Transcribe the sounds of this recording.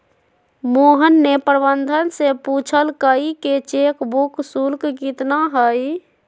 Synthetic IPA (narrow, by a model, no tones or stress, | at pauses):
moːɦənːepɾbənd̪ʱənseput͡ʃʰəlkəiket͡ʃeːkbuksulkkit̪naɦəi